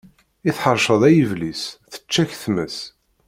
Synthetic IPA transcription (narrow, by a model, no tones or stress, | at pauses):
iθħəɾˤʃəðˤæjəvlisθə̥t͡ʃːæçθməs